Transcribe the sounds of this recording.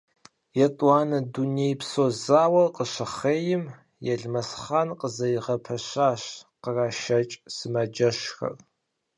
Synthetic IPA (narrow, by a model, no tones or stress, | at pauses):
jɛtʼwɑːnɐdunejpsoːzaːwɐqʼəɕɐχeːjɪm | jɛɮmɐsχaːnqʼəzɐjiʁɐpʰɐɕaːɕqəraːʃɐt͡ʃʼsɨmɐd͡ʒɐʃxɐ̰r